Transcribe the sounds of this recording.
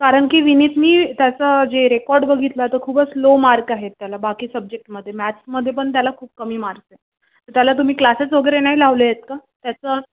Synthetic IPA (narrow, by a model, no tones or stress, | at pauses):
kaɾəɳkiːʋinit̪niːt̪jat͡səd͡ʑeɾekɔɾɖbəɡʱit̪lət̪əɾkʰuːbəslomaɾkaɦet̪ːjalabakiːsəb̚d͡ʑek̚ʈməd̪ʱːjemæʈsməd̪ʱːjepəɳt̪jalakʰuːp̚kəmiːmaɾt̪e | t̪əɾt̪jalat̪̬um̤iːklaset͡sʋəɡəɾenaɦilaʋləjet̪kat̪jat͡səː